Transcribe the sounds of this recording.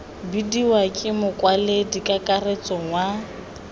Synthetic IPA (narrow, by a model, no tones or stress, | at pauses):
bidiwakʼɪmʊkʼwaledikʼakʼaret͡sʼɔŋwa